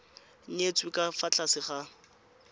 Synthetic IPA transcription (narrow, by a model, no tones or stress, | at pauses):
ɲ̩et͡sʼwikʼafat͡ɬʼasɪχa